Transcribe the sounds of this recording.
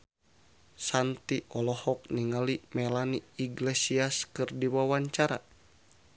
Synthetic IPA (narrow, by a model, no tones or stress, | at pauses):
sant̪iʔɔlɔhɔk̚niŋalimɛlaniːɡlesiaskɨrdiwawaɲt͡ʃaɾa̰